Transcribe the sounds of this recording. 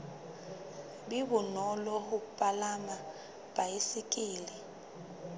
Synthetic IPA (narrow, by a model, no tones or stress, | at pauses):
ɓiβunɔlɔhupʼalama | b̥ʱajisikʼiːli